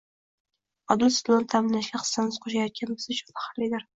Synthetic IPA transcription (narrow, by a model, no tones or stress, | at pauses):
ɒd̪ɪlsɪlˠont̪ʰamɪnːaʃɡʲaχɨ̥sːanɪz̥qʰoʃajɒt̪̚kʲʰanbɪzʊt͡ʃʰʊ̥nt̪ḁχaɾlɪd̪ɪɾ